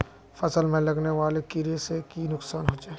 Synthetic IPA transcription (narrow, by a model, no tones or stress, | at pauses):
fɐsəlmẽlɐɡneʋaːlekɪɾesekinʊksaːnɦoːd͡ʒaː